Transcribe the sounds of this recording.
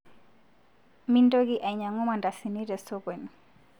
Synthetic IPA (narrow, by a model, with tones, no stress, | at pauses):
mi˦ndoɡiʔa˨iɲa˨ŋɔ˦ma˨nda˨si˨niɾɛstɔkwe˨nu